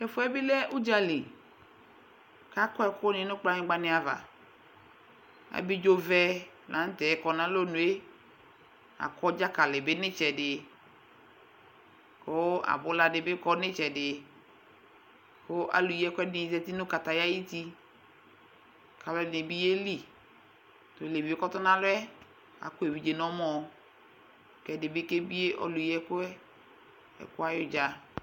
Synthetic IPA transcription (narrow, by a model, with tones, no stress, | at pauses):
kɛ˨fo˦ɛ˦bi˦lɛ˦ʔu˦d͡ʒa˦li˨ | ka˦kɔ˦ɛ˦ko˦nẽ˨nʊ̃˦k͡pla˦ɲẽ˦ɡ͡ba˦nẽ˨a˨va̰˨ | a̰˨bi˦d͡ʒo˦vɛ˦ | lã˨˦t̪ɛ˨˦kɔ˨nã˦lo˦nũ˨e˦ | a̰˨kɔ˦d͡ʒa˦ka˨le˨be˦nɪ̃˦t͡ʃɛ˨ɖɪ˨ | ko˦a̰˨bʊ˦la˨dɪ˨be˦kɔ˦nɪ̃˦t͡ʃɛ˨ɖɪ˨ | kʊ˦ʔa̰˨lʊ˨jɛ˦kʊ˦ɛ˦nɪ˨zɛ˦ti˦nʊ˦ka˨ta˨ja˦ji˦ti˦ | kʰa˨lɛ˦˨nɪ˨bi˦je˦li˨ | tʊ˨le˨vi˨e˦kɔ˦tʊ˦nã˦lʊ˦ɛ˦ | a̰˨kʊ˦e˨vi˨d͡ʒe˨nɔ˦mɔ˨ | kɛ˨dɪ˨bɪ˦ke˦bi˦e˦ʔɔ̰˦lʊ˨jɛ˦kʊ˦ɛ˦ | ɛ̰˨kʊ˦a˦jʊ˨d͡ʒa˦